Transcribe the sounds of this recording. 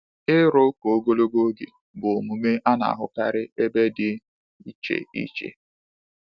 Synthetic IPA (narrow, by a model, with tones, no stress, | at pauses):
ɪ˦ɾʊ˦ko˨o˦ɡo˦lo˦ɡo˦ɡḭ˨ | bʊ˨o˨mu˨me˦ʔa˦na̰˨a˨ɦʊ̰˦ka̰˦ɾɪ˦e˦be˦dɪ˦ | i˦t͡ʃḛ˨ḭ˦t͡ʃḛ˨